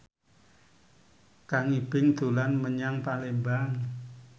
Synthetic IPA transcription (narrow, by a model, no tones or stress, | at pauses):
kaŋib̥ɪŋd̪̥o̤lanməɲaŋpalembaŋ